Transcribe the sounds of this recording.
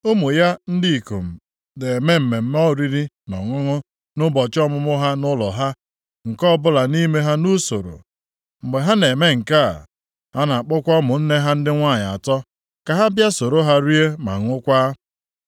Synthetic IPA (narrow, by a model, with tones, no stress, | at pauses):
o˦mu˨ja˦n̩˦di˦i˨ko̰˨m̩˨ | de˨me˦m̩˨me˨m̩˦m˦ɔ˦˨ɾi˦ɾi˦ | nɔ̰˨ŋʊ˦ŋʊ˦ | nʊ˦bɔ˨t͡ʃɔ˦mʊ˦mʊ˦ɦa˦nʊ˦lɔ̰˨ɦa˦ | ŋ̩˨kɔ˦bʊ˦la˨ni˦me˦ɦa˦nu˦so˨ɾo̰˨ | m̩˨ɡ͡be˨ɦa˦ne˨me˦ŋ̩˨ka˦˨ | ha˦na˨a˨k͡pʊ˦kʷɔ˦mʊ˨n̩˦ne˦ɦa˦n̩˦dɪ˦ŋʷa˦˨ɲ˨a̰˨tɔ˦ | ka˨ɦa˦bja˦so˨ɾo˦ɦa˦ɾi˦e˦ma̰˨ŋʊ˦kʷa˦